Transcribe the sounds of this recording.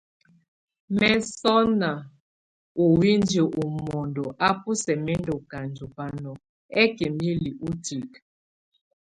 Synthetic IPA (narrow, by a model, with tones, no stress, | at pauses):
mɛ˦sɔ˦na˨ | o˨wi˦nd͡ʒe˨ʔu˨mɔ˨ndɔ˨ʔa˦pu˦sɛ˨mɛ˦ndɔ˨ka˨nd͡ʒu˨pa˦nɔ˨ | ɛ˦ke˨mi˦li˨ʔu˦ti˨k